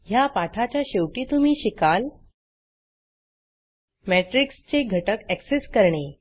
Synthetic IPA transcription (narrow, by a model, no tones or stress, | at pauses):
japaʈ̪ʰat͡ɕjaɕewʈiːt̪um̤iːɕikal | meʈɾikst͡ɕeɡʱəʈəkɛkseskəɾɳe